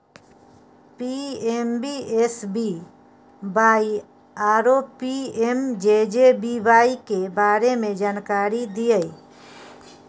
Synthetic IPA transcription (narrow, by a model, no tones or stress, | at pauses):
piembiesbi | baji | aɾopiemd͡ʒed͡ʒebibajkebaɾemẽd͡ʒankaɾid̪ijəj